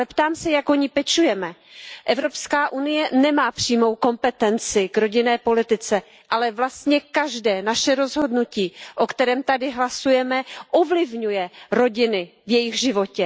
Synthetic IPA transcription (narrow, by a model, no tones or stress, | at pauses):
ɛpt̪aːmsɛjakoɲɪpɛt͡ʃujɛmɛʔɛvɾo̞pskaːʔunɪjɛnɛmaːpr̥iːmo̞wko̞mpɛt̪ɛnt͡sɪɡɾo̞ɟɪnɛːpo̞lɪt̪ɪt͡sɛ | ʔalɛvlast̪ɲɛkaʒdɛːnaʃɛɾo̞zɦo̞dnuciːʔokt̪ɛɾɛːmt̪adɪɦlasujɛmɛʔovlɪvɲujɛɾo̞ɟɪnɪ | vjɛjɪɣʒɪvo̞cɛ